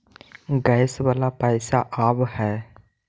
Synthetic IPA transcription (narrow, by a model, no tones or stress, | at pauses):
ɡɛɪswaːlapɛːsaʔaːbhɛː